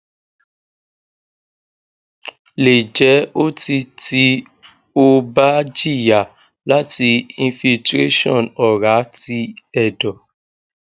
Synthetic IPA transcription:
le˨d͡ʒɛ˨˦o˦ti˧ti˦ | o˦ba˦d͡ʒi˦˨ja˨ | la˦ti˧ĩ˧fi˧ltɾe˦ʃɔ̰̃˦˨nɔ˨ɾa˨˦ti˧ɛ˦˨dɔ˨

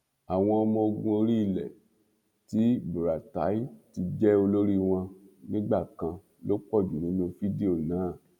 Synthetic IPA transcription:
a˨w̃ɔ̃˧ɔ˧mɔ̃˧o˧ɡũ˧o˧ɾi˦i˧˨lɛ˨ | ti˦bu˨ɾa˨ta˨˦i˦ti˧d͡ʒɛ˦o˧lo˦ɾi˦w̃ɔ̃˧nĩ˦ɡ͡ba˦˨kã˧ | lo˦k͡pɔ˦˨d͡ʒu˨nĩ˨˦nũ˧fi˦di˦o˦˨nãː˨˦˨

